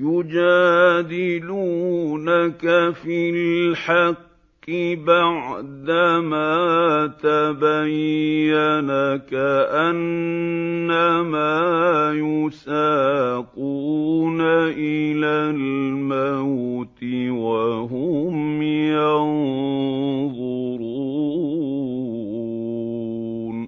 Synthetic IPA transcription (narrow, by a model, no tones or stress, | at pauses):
jʊd͡ʒaːd̪ɪluːnakafilħɑqː | ɪbaʕd̪amaːt̪abajːanakaʔanː | amaːjʊsaːquːnaʔɪlalmawt̪ɪwaɦʊmjɑn | ðˤʊ | ɾu | n